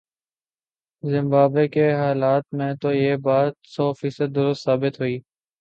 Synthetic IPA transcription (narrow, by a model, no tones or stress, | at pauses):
zɪmbaːbeːkeːɦaːlaːt̪̚mẽːt̪oːjeːbaːt̪sɔːfiːsəd̪̚ːʊɾʊst̪saːbɪt̪ɦuiː